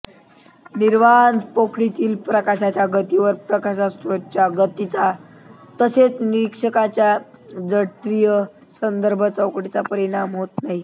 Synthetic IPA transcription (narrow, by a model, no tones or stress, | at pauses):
niɾʋand͡zpokɽit̪iːlpɾəkaɕat͡ɕjaɡət̪iʋəɾpɾəkaɕast̪ɾot͡ɕjaɡət̪it͡sa | t̪əset͡sniɾikʂəkat͡ɕja | d͡zəɽt̪ʋijə | sənd̪əɾbʱat͡səwkɽit͡sapəɾiɽ̃amɦot̪naɦi